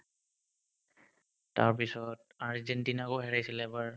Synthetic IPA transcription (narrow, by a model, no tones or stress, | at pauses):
taɹpisɔt | aɹzɛntinakoɦɛɹajsilɛbaɹ